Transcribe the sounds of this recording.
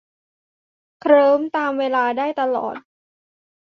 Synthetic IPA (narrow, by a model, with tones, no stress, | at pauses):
kʰɾɤː˦˥mt̪aː˧mweː˧laː˧daː˥˩jt̪a˧lɔ̰ː˨˩t̪̚